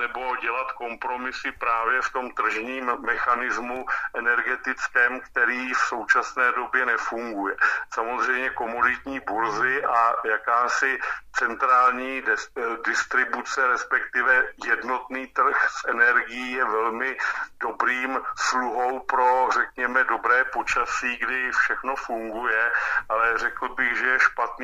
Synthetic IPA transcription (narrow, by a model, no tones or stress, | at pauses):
nɛbo̞ɟɛlat̪ko̞mpɾo̞mɪsɪpɾaːvjɛft̪o̞mt̪r̩ʒɲiːmːɛxanɪzmuʔɛnɛɾɡɛt̪ɪt͡skɛːmkt̪ɛɾiːfso̞wt͡ʃasnɛːdo̞bjɛnɛfuŋɡujɛsamozr̝ɛjmɲɛko̞modɪt̪ɲiːbuɾzɪʔajakaːsɪt͡sɛnt̪ɾaːlɲiːdɪst̪ɾɪbut͡sɛɾɛspɛk̚t̪ɪvɛjɛdno̞t̪niːt̪r̩xsʔɛnɛɾɡɪjiːjɛvɛlmɪd̥obɾiːmsluɦowpɾo̞r̝ɛkɲɛmɛdo̞bɾɛːpo̞t͡ʃasiːɡdɪfʃɛxno̞fuŋɡujɛʔalɛr̝ɛkl̩bɪɣʒɛjɛʃpat̪nː